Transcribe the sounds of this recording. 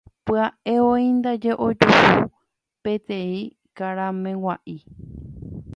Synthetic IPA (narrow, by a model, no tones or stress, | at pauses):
pɨaʔeoĩnd̪ad͡ʒe̞ʔo̞d͡ʒuhu | pẽ̞t̪ẽ̞ĩ | kaɾãmẽ̞waʔi